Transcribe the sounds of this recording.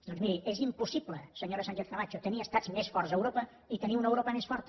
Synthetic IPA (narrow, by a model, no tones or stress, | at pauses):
d̪ɔnzmiɾiʔezimpusibləsəɲoɾəsaɲʲʒeɾkəmat͡ʃut̪əniəːst̪azmesfɔrzəwɾopə | it̪əniunəwɾopəmesfɔɾt̪